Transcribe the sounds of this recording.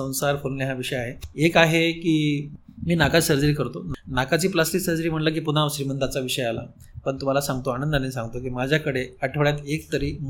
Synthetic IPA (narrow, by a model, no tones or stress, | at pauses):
ə̃w̃saɾkʰolnjaɦaʋiʂəjaɦeekaɦekiːmiːnakasəɾd͡zəɾiːkəɾt̪onnakat͡ɕiːplasʈiksəɾd͡zəɾiːm̤əʈlak̬iːpunaʋəsɾiːmənd̪at͡saʋiʂəjala̰ | pəɳt̪um̤alasãŋɡt̪oanənd̪ənesãŋɡt̪okiːmad͡ʑʱjakəɽeəʈʰəʋɭjat̪ek̚t̪əɾiː